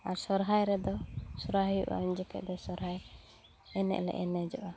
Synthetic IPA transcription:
aɾsɔɾɦajɾɛd̪ɔsuɾaɦjuʔa̰uɲd͡ʒɛkɛ̰ʔd̪ɛsɔɾɦaj | ɛnɛ̰ʔlɛ̰ʔɛnɛd͡ʒɔʔa

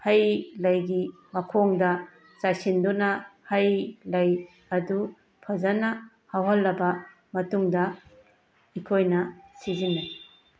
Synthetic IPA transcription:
hɐjlɐjɡi | mɐkʰoŋdɐ | t͡ʃajsindunɐhɐjlɐj | ɐdu | pʰɐzɐnɐ | hawɦɐlːɐbɐ | mɐtuŋdɐ | ikʰojnɐsizinːa

